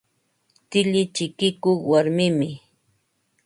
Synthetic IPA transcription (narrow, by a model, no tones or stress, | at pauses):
t̪ɪʎɪt͡ʃɪkɪkoχwaɾmɪmɪ